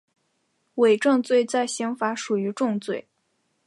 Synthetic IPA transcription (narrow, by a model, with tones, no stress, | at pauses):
we˨˩ɪʈ͡ʂɤ˥˧ŋt͡swe˥˧ɪt͡sa˥˩ɪɕi˧˥ŋfa˧˥ʂu˨˩y˧˥ʈ͡ʂʊ˥˧ŋt͡swe˥˩ɪ